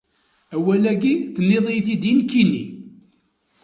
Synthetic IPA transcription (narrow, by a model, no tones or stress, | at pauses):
æwælæɡiθənːeðˤijθid̪inkːinːḭ